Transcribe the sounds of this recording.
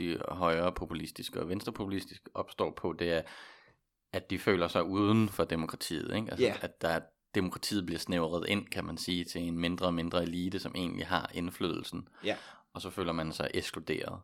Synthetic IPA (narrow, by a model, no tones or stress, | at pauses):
d̥iɦɒ̽ɪɐːpʰo̝pʰulisd̥isɡ̥əɒ̽ʋensd̥ʁɐpʰo̝pʰulisd̥isɡ̥əʔɒ̽b̥sd̥ɒ̰ːpʰɒ̽d̥e̝æɐ | æd̥ifø̰ːlɐsɑ̈ɪuːð̞ˠn̩fɒ̽d̥emo̝kʰʁɑ̈t͡sʰḭːð̞̩ˠeɡ̥ælʔædd̥æ | d̥e̝mo̝kʰʁɑ̈t͡sʰḭːð̞̩ˠb̥liɐsneʊʁɐð̩ˠe̝n̰kʰæmænsiːt͡sʰe̝enme̝nd̥ʁɐɒ̽me̝nd̥ʁɐeliːd̥əsɒ̽mʔe̝̰ːnlḭɦɑ̈ʔe̝nflø̰ðˠl̩sn̩ɒ̽sɒ̽fø̰ːlɐmænsɑ̈ɪʔe̥sɡ̥lud̥e̝̰ːɐð̩ˠ